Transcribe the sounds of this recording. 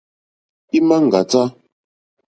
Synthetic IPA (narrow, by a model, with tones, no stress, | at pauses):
i˦ma˦ŋ̩˨ɡa˨t͡sa˦